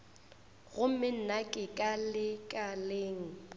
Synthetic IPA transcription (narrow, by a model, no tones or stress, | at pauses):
ɣʊm̩mɪn̩nakʼɪkʼalɪkʼaleːŋ̩